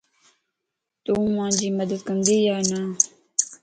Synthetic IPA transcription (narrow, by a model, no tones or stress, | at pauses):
t̪uːmãːd͡ʑiːməd̪əd̪̚kəmd̪iːjaːna